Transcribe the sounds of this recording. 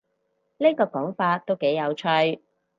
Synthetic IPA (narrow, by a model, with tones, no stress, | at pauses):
ni˥kɔː˧kɔː˨˥ŋfaː˧t̚t̪ːo˥wke˨˥jɐ˨˧wt͡ʃʰœ˧ɥ